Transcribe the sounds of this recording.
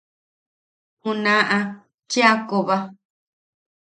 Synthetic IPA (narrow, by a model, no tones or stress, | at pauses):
kũnãʔã | t͡ʃiakoβa